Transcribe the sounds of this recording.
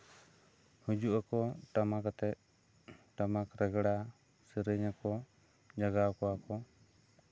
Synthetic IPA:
hud͡ʒuʔakɔʈamakat̪ɛt̪̚ | ʈamakɾɛɡɽa | sɛɾəɲakɔ | d͡ʒaɡakɔakɔ

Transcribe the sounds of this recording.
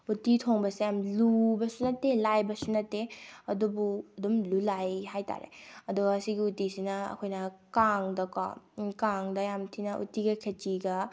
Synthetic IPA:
utitʰoŋbɐsejamlubɐsunɐtːelajbɐsunɐtːeɐdubuɐdumlulajɦajta̰ɾḛɐduɡɐːsiɡiutisinɐɐ̰kʰojnɐkaŋdɐkɔ̰kaŋdɐjamtʰinɐʔṵtiɡɐkʰet͡ʃiɡɐ

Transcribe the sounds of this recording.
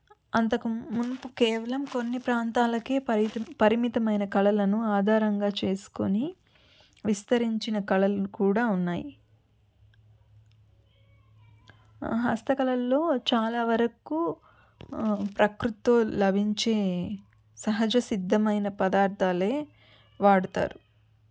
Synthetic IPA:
ɐnt̪ɐkumunpukeːʋɐlɐmko̞nːipɾaːnt̪aːlɐke̞ːpɐɾimit̪ɐmɐjnɐkɐlɐlɐnuaːd̪ʱaːɾɐŋɡaːt͡ʃe̞ːsu̥koni | ʋist̪ɐɾiɲt͡ʃinɐkɐlɐlukuːɽaːunːaːji | ɦɐ̰st̪ɐkɐlɐlːo̞ːt͡ʃaːlaːʋɐɾɐku | pɾɐkɾut̪ːoːlɐbʱiɲt͡ʃe̞ː | sɐɦɐd͡ʒɐsid̪ʱːɐmɐjnɐpɐd̪aːɾt̪aːle̞ː | ʋaːɽut̪a̰ːɾu

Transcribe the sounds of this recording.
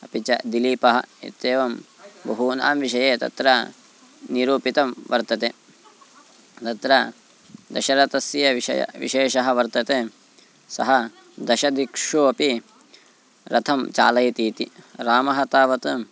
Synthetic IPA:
ɐpit͡ʃɐd̪iliːpɐɦɐ̰ḭt̪eːʋɐmbɐɦuːna̰ːmʋiʃɐjeːt̪ɐ̰t̪ɾɐ | niɾuːpit̪ɐmʋɐɾt̪ɐt̪eː | t̪ɐt̪ɾɐ | d̪ɐ̰ʃɐɾɐt̪ɐsjɐʋiɐ̰jɐ̰ʋḭʃeːʃɐɦɐ̆ʋɐɾt̪ɐt̪eː | sɐɦɐ | d̪ɐʃɐd̪ikʂuɐpi | ɾɐt̪ʰɐmt͡ʃa̰ːlɐjɐt̪iːt̪iɾaːmɐɦɐt̪aːʋɐt̪ɨ

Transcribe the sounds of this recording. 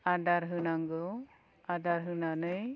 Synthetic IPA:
adaɾɦɯnaŋɡɔ | adaɾɦɯnanɯj

